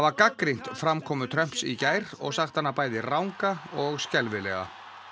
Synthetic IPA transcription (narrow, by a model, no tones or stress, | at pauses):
avakakɾin̥t̪fɾamkʰɔːmʏt̪ʰɾœm̥psicaːjɾɔ̰ɣsaxt̪hanːapaːjðɪrawŋkaɔɣscɛlvɪlɛ̰ɣa̰